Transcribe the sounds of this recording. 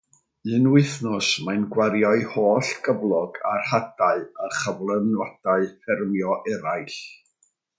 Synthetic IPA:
ɨnwɪθnʊsmanɡwaɾjɔɨhoːɬɡəblˠɔɡarhad̥aɨəχəvlˠənwad̥aɨfɛrmjɔʔɛɾajɬ

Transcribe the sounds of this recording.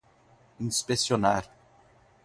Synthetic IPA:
ĩspesionaɾ

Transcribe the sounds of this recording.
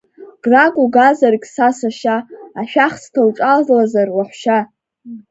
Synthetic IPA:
ɡ̥rakʷʼuɡazarkʲʼsasaʃaːʃᶣaχstʰawʈ͡ʂʼazlazarwaħʷʃa

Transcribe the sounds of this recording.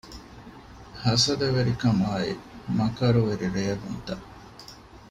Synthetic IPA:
hɐsɐd̪eʋeɾikɐmaːḭmɐkɐɾuʋeɾiɾejɐɡunt̪ɐ

